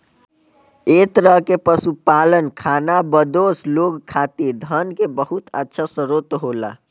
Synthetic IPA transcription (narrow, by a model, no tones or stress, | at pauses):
et̪ɾəɦkepəsupalənkʰanabəd̪osloɡkʰat̪ed̪ʱənkebəɦut̪ə̰tːʃʰasəɾot̪ɦola̰